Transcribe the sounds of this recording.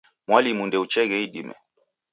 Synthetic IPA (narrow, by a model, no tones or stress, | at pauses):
mwalimundɛut͡ʃɛɣɛiɗimɛ̰